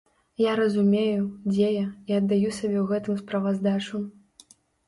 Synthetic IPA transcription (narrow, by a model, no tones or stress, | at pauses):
jaɾɐzumʲejud͡zʲejɐiɐd̪ːajusabʲɛwɣɛt̪ɨmspɾɐvazd̪at͡ʂu